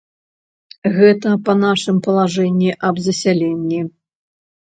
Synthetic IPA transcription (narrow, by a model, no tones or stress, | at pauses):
ɣɛt̪ɐpɐnaʂɨmpɐlˠaʐɛnʲːiʔɐbzɐsʲalʲɛnʲːi